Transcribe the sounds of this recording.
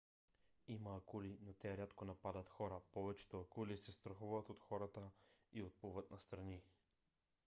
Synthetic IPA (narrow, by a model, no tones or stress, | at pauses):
imaːkulinot̪ɛɾat̪konapad̪ɐt̪xɔɾapɔvɛt͡ʃɛ̥t̪oɐkulisɛst̪ɾɐxuvat̪ot̪xɔɾat̪əiot̪̚puvɐt̪nɐst̪ɾɐni